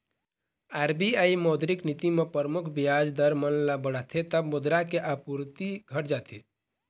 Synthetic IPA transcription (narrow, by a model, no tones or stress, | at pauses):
aɾbiaimɔd̪ɾiknit̪imepəɾəmukʰbiad͡ʒd̪əɾmənlabəɽ̤at̪ʰet̪əbmud̪ɾakeʔapuɾt̪iɡʱəʈd͡ʒat̪ʰi